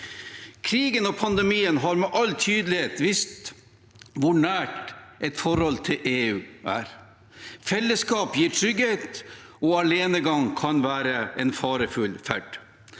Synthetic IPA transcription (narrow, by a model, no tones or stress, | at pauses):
kʰɾiːɡənɔpʰɑnd̪ɛmiːənɦɑɾmɛʔɑlːt̪ʰyːd̪əlɪheːt̪ʋɪst̪ | ʋʊɳæːʈʔɛt̪fɔɾhɔlt̪ʰɪlʔeːʉːʔæ̰ːɾ | fɛlːəskɑːpjiːɾʈʰɾʏɡheːt̪ɔɑleːnəɡɑŋkʰɑnʋæːɾəɛnfɑːɾəfʉlfæɖ̥